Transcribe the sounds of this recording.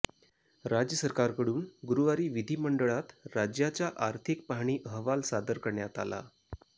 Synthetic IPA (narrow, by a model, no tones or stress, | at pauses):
ɾad͡ʑjəsəɾkaɾkəɽuːnɡuɾuʋaɾiːʋid̪ʱiːməɳɖəɭat̪ɾad͡ʑjat͡ɕjaʔaɾt̪ʰik̚paɦɳ̃iːʔəɦʋalsad̪əɾkəɾɳjat̪a̰la̰